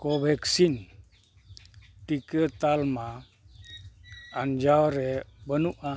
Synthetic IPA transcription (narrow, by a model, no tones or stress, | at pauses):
kobʱɛksin | tikət̪alma | and͡ʒawɾɛbənuʔa